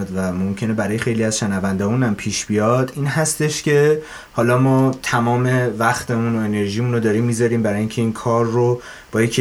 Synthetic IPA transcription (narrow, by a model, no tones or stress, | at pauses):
d̪væmomcʰe̞nebæɾɒːjexe̞jliæzʃenævænd̪ɒːmuːnæmpʰiːʃb̥ijɒːd̪̥iːnɦæst̪e̞ʃcʰe̞ | hɒːlɒːmɒːt̪ʰæmɒːme̞væxt̪ʰemunoene̞ɾʒiːmunod̪ɒːɾiːmːiːzɒɾiːmbæɾɒːjiŋcʰeiːnkʰɒːɾːo | b̥ɒːjecʰ